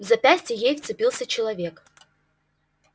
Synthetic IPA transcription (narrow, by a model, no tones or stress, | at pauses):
vzɐpʲæsʲtʲɪjejft̪sɨpʲilˠsʲət͡ɕɪlˠɐvʲe̞k